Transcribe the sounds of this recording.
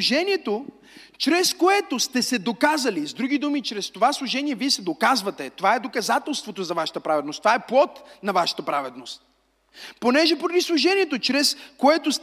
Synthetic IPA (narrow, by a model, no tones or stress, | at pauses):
ʒɛniɛt̪o | t͡ʃɾɛskoɛt̪ost̪ɛsɛd̪okazɐlizd̪ɾuɡ̟id̪umit͡ʃɾɛst̪ovaslˠuʒɛniɛviɛsɛd̪okazvɐt̪ɛt̪ovaɛd̪okɐzat̪ɛlˠst̪vot̪ozɐvaʃɐ̥t̪ɐpɾavɛd̪nost̪ovaɛplˠɔt̪nɐvaʃɐ̥t̪ɐpɾavɛd̪nost̪̚ | ponɛʒɛpoɾɐd̪islˠuʒɛnʲiɛt̪ot͡ʃɾɛskoɛt̪ost̪